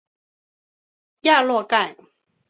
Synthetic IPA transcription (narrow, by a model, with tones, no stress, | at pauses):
ja˥˧lwɔ˥˧ka˥˨ɪ